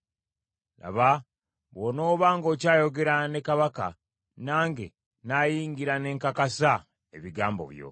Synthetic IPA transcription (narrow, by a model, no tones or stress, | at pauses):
la̰βa | βono̞ːβaːŋɡo̞ːcaːjo̞ɡe̞ɾane̞kaβaka̰ | naːŋɡe̞ | naːjiːŋɡiɾane̞ːŋkakasa | e̞βiɡaːmbo̞̰βjo̞̰